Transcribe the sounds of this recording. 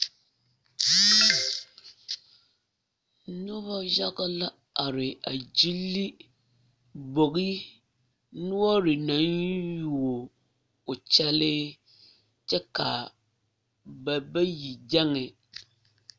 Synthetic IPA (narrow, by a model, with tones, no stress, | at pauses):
no˦βɔ˦ʒa˦ɣa˦la˦ | a˨ɾɪ˨a˨d͡ʒi˦lːi˦ | bo˨ɣi˦ | nʊ˦ɔ˦ɾɪ˨na˨˦nju˨o˨ | o˨t͡ʃɛ˦lɪ˦ | t͡ʃɛ˦ka˨ | ba˨bɛ˦ji˨d͡ʒɛ˦ŋɛ˨